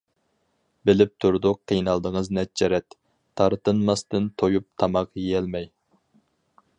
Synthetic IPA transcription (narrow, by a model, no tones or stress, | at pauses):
bɪlɪp̚t̪ʰuɾd̪ʊq̚ːʰejnɑlˠd̪əŋəznɛt̚t͡ʃːɛɾɛt̪ːʰ | ɑɾt̪ɨnmɑst̪ɨnt̪ʰojup̚t̪ʰɑmɑqjijɛlmɛj